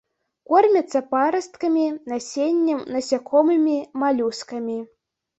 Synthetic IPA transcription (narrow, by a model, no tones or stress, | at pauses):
kormʲɐt̪sɐpaɾɐst̪kɐmʲinasʲenʲːɛmnɐsʲakʰɔmɨmʲimalʲuskɐmʲi